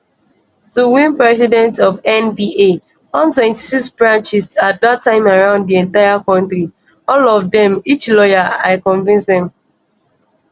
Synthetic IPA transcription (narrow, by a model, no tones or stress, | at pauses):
tuwĩnpɹɛsidɛ̃ntɔvɛ̃nbie | ɔ̃ntwɛ̃nti̥siksbɹãnt͡ʃisat̚datːãɪ̃maɹãʊ̃nddiɛ̃ntaɪjakɔ̃ntɹi | ɔlɔvdɛ̃mit͡ʃlɔjaaɪkɔ̃nvĩnsdɛ̃m